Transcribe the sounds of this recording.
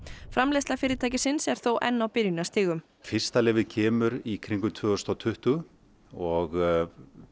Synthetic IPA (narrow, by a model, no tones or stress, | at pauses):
fɾamlɛst̪lafɪːɾɪt̪ʰaːjcɪsɪnsɛɾ̥θowʔɛ̰nːawpɪɾjnast̪ɪːɣʏm | fɪr̥st̪alɪːvɪðcʰɛːmʏɾikʰɾiŋkʏt̪ʰvʏːɔst̪awt̪ʰʏht̪ʏ | ɔɣ